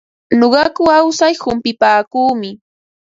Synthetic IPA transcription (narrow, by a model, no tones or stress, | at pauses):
noɢɑkʊawsajhʊmpɪpaːkuːmɪ